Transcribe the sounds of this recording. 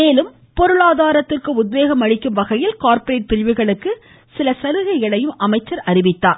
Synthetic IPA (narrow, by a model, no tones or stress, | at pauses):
meːlɯm | pɔɾɯɭaːðaːɾɐt̪ːɪrkɯʊd̪̚ʋeːɣɐmɐɻɪkːɯmʋɐɣɐjɪlkaːɾpɐɾeːʈ̚pɪlʋɪɣɐɭɯkːɯ | sɪlɐsɐɾɯɣɐɪɣɐɭɐjɯmʔɐmɐɪt͡ʃːɐɾɐɾɪʋɪt̪ːaː